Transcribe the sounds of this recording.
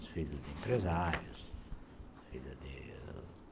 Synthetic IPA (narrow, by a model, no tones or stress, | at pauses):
sfiʎʊzd̪empɾezaɾjʊs | fiʎuzd̪ḭ